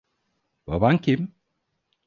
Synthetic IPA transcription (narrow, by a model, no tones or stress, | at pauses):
ba̰bancʰim